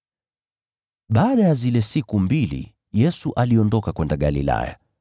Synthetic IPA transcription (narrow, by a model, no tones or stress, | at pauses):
ɓaːɗajazilɛsikumbilḭ | jɛsuʔaliɔndɔkakwɛndaɠa̰lḭla̰ja̰